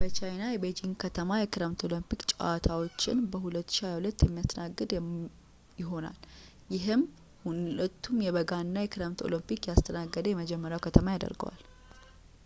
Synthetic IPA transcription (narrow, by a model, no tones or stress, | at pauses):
b̥ət͡ʃʰajnajɛbed͡ʒiŋkʰət̪ʰəmajɛkʰɨɾəmt̪ʰo̞ləmpikt͡ʃʼʔat̪ʰawo̞t͡ʃːɪnbəhulət̪ːʃiajahulət̪ːjɛmːijast̪ʰənaɡːɨd̪ | jɪɦo̞na̰l | jɪɦɨm | huət̪ːumjɛβəɡanːajɛkʰɨɾəmt̪ʰo̰limpikjast̪ʰənaɡːəd̪əjɛməd͡ʒɛmːəɾjawkʰət̪ʰəmajad̪ə̰ɾɡə̰wa̰l